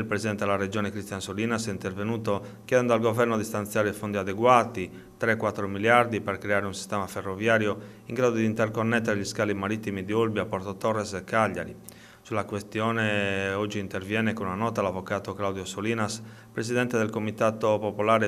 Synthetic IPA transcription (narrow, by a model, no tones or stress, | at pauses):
ilpɾeszid̪ɛnt̪ɛd̪ɛlared͡ʒɔːnɛkɾist̪jansoliːnasɛint̪ervenuːt̪okjɛːd̪ɛnd̪alɡovɛrnod̪ist̪ant̪sjaːɾefond̪iad̪ɛɡwaːt̪i | t̪ɾɛkːwat̪ːɾomiljaɾd̪ipɛrkɾɛaːɾeunsi̥st̪ɛːmaferːovjaːɾjo | iŋɡɾaːd̪od̪int̪ɛrkonːɛt̪ːɛɾeʎiskaːlimaɾit̪ːimid̪iolbiapɔɾt̪ɔt̪ɔrːɛsɛkːaʎːa̰ɾḭ | sulakwest̪jɔːnɛɔd͡ʒːiːnt̪ervjɛːnɛkonunanɔːt̪alavːɔkaːt̪oklawd̪jɔsoliːnas | pɾesid̪ɛnt̪ed̪elkomit̪aːt̪opopolaːɾe